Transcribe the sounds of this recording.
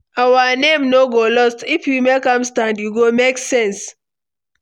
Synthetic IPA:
awanẽmnoɡolɔstifjumekãmstãndjuɡomeksɛ̃ns

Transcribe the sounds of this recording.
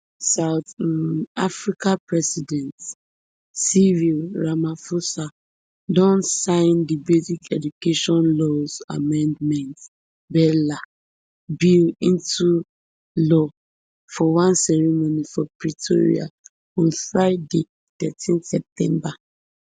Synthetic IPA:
saʊtnafɹikapɹɛsidɛ̃nt | sivilɹamafosa | dɔ̃nsãɪ̃ndibezikʰɛd͡ʒukeʃɔ̃nlɔza̰mɛ̃ndmɛ̃nt | bɛla | bilĩntu | lɔ | fɔwãnsɛɹimonifɔpɹitʰoɹḭa̰ | ɔ̃nfɹaɪde | tɛtʰĩnsɛp̚tʰɛ̃mba

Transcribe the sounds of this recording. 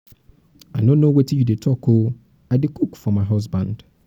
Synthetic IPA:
aɪnõnowetijudetʰɔko | aɪdekukfɔmaɪɦɔzbãnd̥

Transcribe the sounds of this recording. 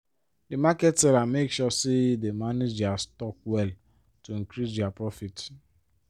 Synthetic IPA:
dimakɛtsɛlamekʃɔsidemaned͡ʒdastɔk̚wɛl | tuŋ̩kɾisdɪapɹɔfit

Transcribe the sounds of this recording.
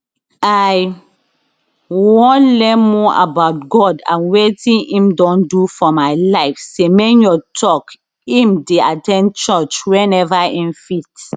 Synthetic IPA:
aj | wɔ̃nlɛ̃mɔʔa̰baʊt̚ɡɔdã̰nwetĩĩmdɔ̃ndufɔmaɪlaɪfsemenjɔtʰɔk | ĩmdeatɛ̃nt͡ʃɔt͡ʃwɛ̃nɛvaĩnfit

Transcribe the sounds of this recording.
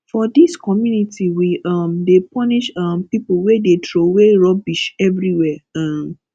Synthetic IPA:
fɔdiskɔmjunitiwiʔamdepɔniʃampipuwedetɹoweɹɔbiʃɛvɹiwɛam

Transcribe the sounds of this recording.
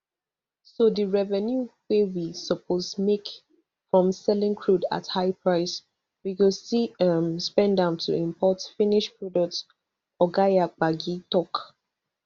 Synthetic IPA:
sodəɹɛvɛ̃njuwewisɔpʰosmek | fɹɔ̃msɛlɪ̃ŋkʰɹuda̰thaɪpʰɹaɪs | wiwilstiʌmspɛ̃ndãʊ̃ntʰṵĩmpʰɔtfĩniʃpɹɔdɔk̚t | ɔɡajak͡paɡitɔk

